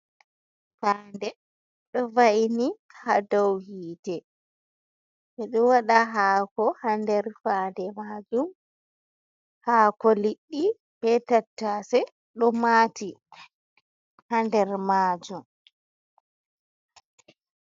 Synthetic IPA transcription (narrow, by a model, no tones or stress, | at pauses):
faːndɛ | ɗɔvaini | hadawhiːtɛ | ʔɛɗɔwaɗaɦaːkɔhandɛɾfaːndɛmaːd͡ʒum | haːkɔliɗːi | b̥ɛtatːasɛ | ɗɔmaːti | handɛɾmaːd͡ʒum